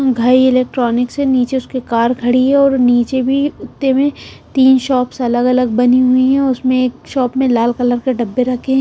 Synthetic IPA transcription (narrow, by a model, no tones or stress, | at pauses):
ɡʱaːiɪleːk̚ʈɾɔːnɪkseniːt͡ʃeʊskekaːɾkʰɐɽiɦɛ̃ɔːɾniːt͡ʃebʱiʊt̪ːemẽtt̪iːnʃɔːpsɐləɡɐləɡ̚bɐniɦʊiɦɛ̃ʊsmẽeːkʃɔːpmẽlaːlkɐləɾkeɖɐbːeɾɐkʰẽɦ